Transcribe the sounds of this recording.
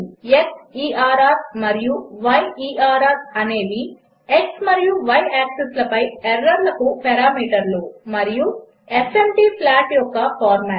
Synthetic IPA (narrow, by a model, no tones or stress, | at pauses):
eksiːaːɾaːɾmɐɾijuʋɐjiːʔaːɾaːɾɐneːd̪i | eksmɐɾijuʋɐjaːkseslɐpɐjeɾːɐɾlɐkupɛɾaːmiːʈɐɾlumɐɾiju | e̞fʰemʈiːpʰlaːʈjɔkːɐpʰaːɾmaː